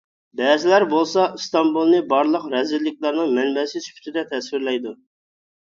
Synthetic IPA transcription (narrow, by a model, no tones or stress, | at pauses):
bɛːzɪlæɾbolˠsɑst̪ɑmbulˠnɨbɑɾlˠəqɾɛzɪlːɪk̚ʲlˠɑɾnɨŋmɛnbɛsɪzpʰy̥t̪ʰɪd̪ɛt̪ʰɛswɪɾlɛjd̪u